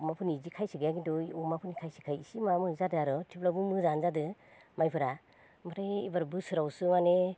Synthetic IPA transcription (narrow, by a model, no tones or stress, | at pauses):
mapʰɯnizikʰajsiɡajaɡidɔumapʰɯnikʰajsi̥kʰajisimamɯzadɯaɾɔtʰiplabɯmɯzanzadɯ | majpʰɯɾa | maɾajibaɾbɯsɯɾawsɯmane